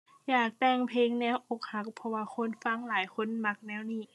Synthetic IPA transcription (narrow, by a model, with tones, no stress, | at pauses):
jaː˨˩k̚t̪ɛː˧˩ŋpʰeː˧˥ŋnɛː˦˧˥wʔo˧˥k̚ha˧˥k̚pʰɔ˧waː˧xʰo˧˥˨nfa˧˥˨ŋlaː˨˦jxʰo˧˥˨nma˧k̚nɛː˧˥˨wniː˧˩˨